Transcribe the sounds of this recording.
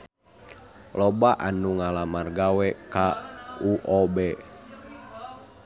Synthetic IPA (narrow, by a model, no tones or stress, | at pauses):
lɔbaʔanuŋalamarɡawɛkauʔɔbɛ